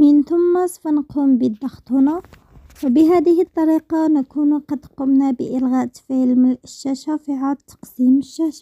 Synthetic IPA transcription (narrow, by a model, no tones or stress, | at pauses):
mənt̪ʊmːasˤfɑnqumbəd̪ːɑxt̪ˤhʊnæ | wbəɦæd̪əhət̪ˤːɑɾiqɑnkunuqɑd̪qʊmnæbə̰ʔəlɣæʔt̪filmələʃːæʃæfiʕad̪̚t̪ʰːɑ̥qsiməʃːæʃa